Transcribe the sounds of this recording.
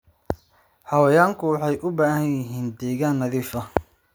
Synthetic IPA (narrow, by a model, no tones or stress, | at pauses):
hɐwɐjaːŋkʰʊwɑħɑjʔʊbaːɦhɐnjɪɦiːnd̪ɛːɣaːnːɐðiːfɐ